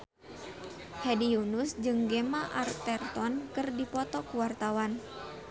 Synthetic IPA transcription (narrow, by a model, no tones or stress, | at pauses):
hɛdiunusd͡ʒɨŋɡemaʔart̪ɛrt̪ɔnkɨrdipɔt̪ɔkuwart̪awan